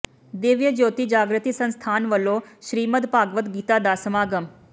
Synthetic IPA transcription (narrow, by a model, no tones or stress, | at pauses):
d̪eːʋjəd͡ʒoːt̪iːd͡ʒaːɡɾət̪iːsənst̪ʰaːnʋəlːõːʃɾiːməd̪paːɡʋət̪ɡiːt̪aːd̪aːsəmaːɡəm